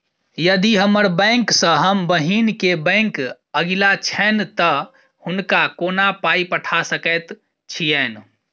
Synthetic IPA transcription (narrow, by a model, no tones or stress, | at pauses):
jəd̪iɦəməɾbə̃ŋksə̃ɦəmbəɦinkebə̃ŋk | əɡilat͡ʃʰɛnt̪ə | hʊnkakonapaipəʈʰasəkɛt̪ | t͡ʃʰijɛn